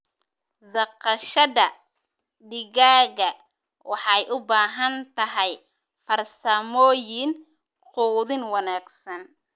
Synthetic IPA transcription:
d̪ɐqɑʃɐðɐ | ɖɪɣaːɣɐ | wɑħɑjʔʊbaːɦɐnt̪ʰɐɦɛj | fɐrsɐmɔːjɪn | quːðɪnwɑnaːɡsɐn

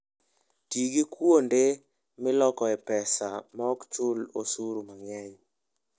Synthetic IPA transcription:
tiɡikwonde | mɪlɔkɔɛpɛsamaɔkt͡ʃʊlosuɾumaŋɛɲ

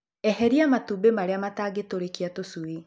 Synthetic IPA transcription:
ɛɦɛɾiamatubemaɾeamataːɡetoɾekiatosue

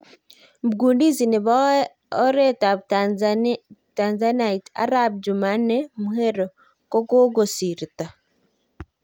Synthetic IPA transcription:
buɡuːndiziniβa | oɾetaβ | tanzanaita̰ɾabd͡ʒumanemuheɾo | kokoɡosiɾita

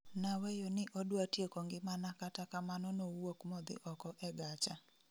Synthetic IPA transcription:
nawɛjonɪʔodwatjekoŋɡɪmanakatakamanɔnowokmɔd̪ɪ̰ʔɔkɔʔɛɡat͡ʃa

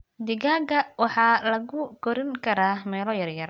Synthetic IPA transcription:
d̪ɪɣaːɡɐwɑħɑːlɐɣʊkɔɾɪŋkʰɐɾaːmɛːlɔjɐrjɐr

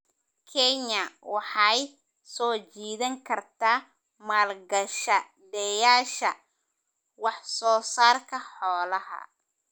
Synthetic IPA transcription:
kʰɛɲɐwɑħɑj | sɔːt͡ʃiːðɐŋkʰɐrt̪ʰaː | maːlɡɐʃɐ | d̪ɛjaːʃɐ | wɑħsɔːsaːrkʰɐħɔːlɐɦɐ̰

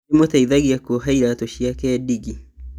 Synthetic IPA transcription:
emotaiðaɣiakoɦaiɾatoʃjakɛdiɡi

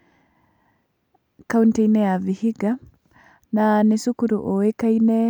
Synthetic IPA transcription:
kauntɛinɛjavihiɡa | nanisukuɾuʔɔwɛkainɛ

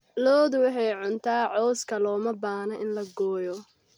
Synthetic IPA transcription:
lɔːðwʊħɑjʕʊnt̪ʰaːʕɔːskʰɐlɔːmɐbaːnɐʔɪnlɐɡɔːjɔ

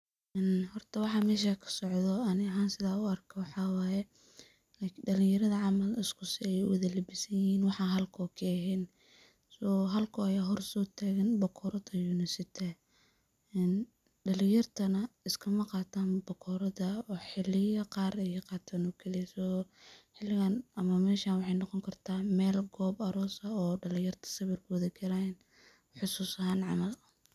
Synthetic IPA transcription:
ʔɛnhɔrt̪ʰɐwɑħɑːmɛːʃakʰɐ̥sɔʕðɔɐnɪɐɦaːnsɪðaːʊɐrkʰɐwɑħɑwɑːjɛ | laɖɐlɪ̃ŋjɐɾɐðɐʕɑmɐlɪskʰʊsɪɛj̰wɐðɐlɪbɪsɐjɪhiːnwɑħɑːɦɐlkʰɔːkʰɛːɦɛn | sɔːɦɐlkʰʊɐjaːɦɔrsɔːt̪ʰaːɣɐnbɔkʰɔɾɐt̪ʰɐjunɪsɪt̪ʰɐ | ɛːn | ɖɐlɪjɐrt̪ʰɐnɐɪskʰɐmɐqɑːt̪ʰaːnbɔkʰɔɾɐðɐɔːħɪlɪjɐqɑːɾɛjɐqɑːt̪ʰaːnɔkʰɛlisɔħɪlːɪɣaːnɐmɐmɛːʃaːnwɑħɑjnɑqɔŋkʰɐrt̪ʰaːmɛːlɡɔːbɐɾɔːsɐɔːɖɐlɪjɐrt̪ʰɐ̥sɐβɪrkʰɔːðɐkʰɛɾajn | ħʊsuːsɐɦaːnʕɑ̰mɐlɐ

